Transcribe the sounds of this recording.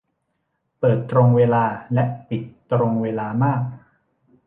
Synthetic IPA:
pɤː˨˩t̪ːɾo˧ŋweː˧laː˧lɛ˦˥ʔpi˨˩t̪ː | ɾo˧ŋweː˧laː˧maː˥˩k̚

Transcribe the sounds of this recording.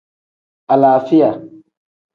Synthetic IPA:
ʔa˨laː˨fi˦ja˨

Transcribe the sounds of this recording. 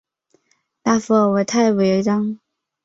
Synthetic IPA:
t̪a˥˩fɔ˥˩wɔ˨˩t̪ʰa˥˩ɪwe˧˥ɪ˧˥ʈ͡ʂɑ˥ŋ

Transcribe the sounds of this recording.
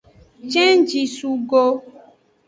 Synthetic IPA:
t͡ʃɛ̃˦n˦d͡ʒi˨su˨ɡo˦

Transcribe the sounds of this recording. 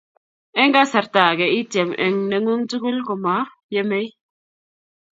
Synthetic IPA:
e˦ŋɡa˦sa˨ɾta˨ɡe˨i˦te˨mʔḛ˨ŋne˨ŋu˦ŋtu˦ɡu˦lku˨ma˨˦ | je˦me˦j

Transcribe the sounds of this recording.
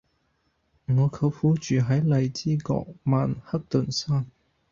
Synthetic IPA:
ŋɔː˨˧kʰɐ˨˧wfuː˨˥t͡ʃyː˨ɦɐ˨˥jlɐ˨˧jt͡siː˥kɔ̰ː˧k̚maː˨nhɐ˥k̚t̪ɵ˨˩nsaː˥n

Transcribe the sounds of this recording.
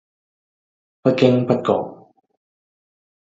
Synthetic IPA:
pɐ˦˥t̚ke˦˥ŋpɐ˦˥t̚kɔ̰ː˨˩k̚

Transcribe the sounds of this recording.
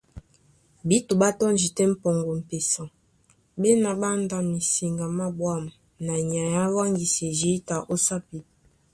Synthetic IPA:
bi˦to˨ba˦tɔ˦n˦d͡ʒi˨tɛ˦m̩˦pɔ˨ŋɡo˨m̩˨pe˨sã˨ | be˦na˨ba˦nda˦mi˨si˨ŋɡa˨ma˦bwa˦˨m | na˨ɲ˨a˨ja˦wa˦ŋɡi˨sɛ˨zi˦ta˨ʔo˦sa˦pi˨

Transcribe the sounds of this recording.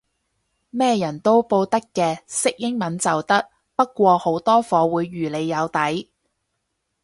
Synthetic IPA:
mɛː˥jɐ˨˩nt̪o˥wpo˧wt̪ɐ˥kːɛː˧sɪ˥k̚jɪ˥ŋmɐ˨˥nt͡sɐ˨wt̪ɐ˥k̚ | pɐ˥t̚kːʷɔː˧ho˨˥wt̪ɔː˥fɔː˨˧wuː˨˧jːyː˨˩le˨˧jːɐ˨˧wt̪ɐ˨˥j

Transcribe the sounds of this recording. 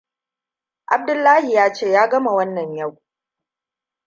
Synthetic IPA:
ʔa˨b̚dʊ˦lːaː˦hi˨jaː˦t͡ʃeː˦˨jaː˦ɡɐ˦ma˨wɐ˦nːɐ˨ɲja˦˨w

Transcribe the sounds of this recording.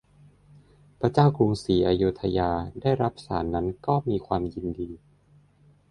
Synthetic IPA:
pɾa˧t͡ɕaː˥˩wku˧ŋsiː˩˦ʔaː˧juː˦˥t̪ʰːa˧jaː˧daː˥˩jɾa˦˥p̚sa̰ː˩˦nːa˦˥nkɔː˥˩miː˧kʰwaː˧mji˧ndiː˧

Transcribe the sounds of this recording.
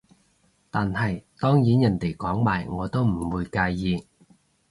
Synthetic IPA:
t̪aː˨nhɐ˨jt̪ɔː˥ŋjiː˨˥njɐ˨˩nt̪e˨˩jkɔː˨˥ŋmaː˨˩jŋɔː˨˧t̪o˥wm̩˨˩wuː˨˧jkaː˧jːiː˨˧

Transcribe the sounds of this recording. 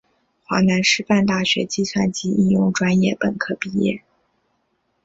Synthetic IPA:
xwa˧˥na˧˥nʂɻ̩˥˧pa˥˧nt̪a˥˩ɕɥɛ̰˧˥t͡ɕi˥˧swa˥˩nt͡ɕi˥ʔi˥˧jʊ˥˩ŋʈ͡ʂwa˥njɛ˥˩pə̰˨˩kʰɤ˥˧pi˥˧jɛ̰˥˩

